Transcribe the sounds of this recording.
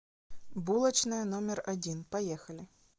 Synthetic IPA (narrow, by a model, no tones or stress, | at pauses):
bulˠɐt͡ʃnɨjɐnɔmʲɛrɐd͡zʲinpɐjɛxɐlʲɪ